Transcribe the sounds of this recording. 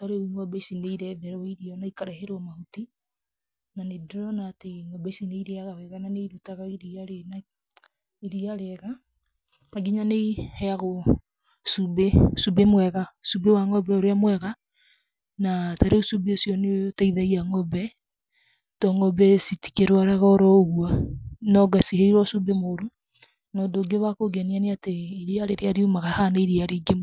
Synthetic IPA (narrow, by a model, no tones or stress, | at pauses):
taɾeuŋɔbɛisineiɾɛðɛɾɔiɾiɔnaikaɾeɦeɾɔmahuti | nanedoɾɔnaːteŋɔbɛsineiɾeaɣawɛɣananeiɾutaɣaiɾiaɾena | iɾiaɾeɛɣa | maɡiɲaneihɛaɣo | subesubemwɛɣasubewaŋɔbɛoɾeamwɛɣa | nataɾeusubeosjɔnetaiðaɣiaŋɔbɛ | tɔŋɔbɛsiti̥keɾwaɾɛɣɔɾɔɣuanɔɡasiheiɾwɔsubemoɾu | nɔːndoɡeβakoɡɛnianeateiɾiaɾeɾeaɾiumaɣahaneiɾiaɾiɡem